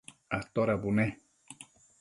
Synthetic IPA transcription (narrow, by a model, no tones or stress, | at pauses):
at̪oɾabune